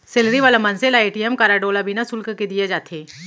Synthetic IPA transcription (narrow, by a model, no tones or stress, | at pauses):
sɪlɾiʋaːlamɐnselaeːʈijɛmkaːɾaɖoːlabʱinasʊlkked̪ijed͡ʒaːt̪ʰeː